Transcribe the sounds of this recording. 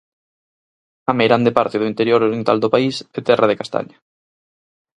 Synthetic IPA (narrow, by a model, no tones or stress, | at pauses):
amejɾand̪epaɾt̪ɪðʊint̪eɾjoɾoɾjent̪a̰ld̪opaiset̪ɛraðekast̪ʰa̰ɲa